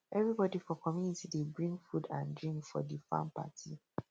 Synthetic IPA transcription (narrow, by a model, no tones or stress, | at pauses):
ɛvɹibɔdifɔkʰɔmjunitidebɹĩŋɡfudãndɹĩŋkfɔ̰difã̰mpa̰tʰi